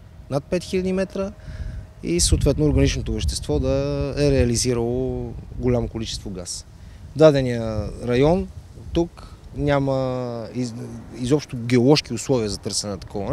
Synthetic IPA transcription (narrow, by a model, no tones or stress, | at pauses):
nat̪̚pɛt̪xilʲɐd̪imɛt̪ɾə | ḭsəoːt̪vɛt̪noʊɾɡɐnit͡ʃnot̪ovɛʃt̪ɛst̪vɔd̪əɛɾɛɐliziɾəlˠoɡolʲamokolit͡ʃɛst̪voɡas | vd̪ad̪ɛnijəɾɐjɔnt̪uknʲaməiizɔpʃt̪oɡɛolˠɔʃk̟iʊslˠɔviəzɐt̪ɤɾsɛnɛnɐt̪ɐ̥kɔvɐ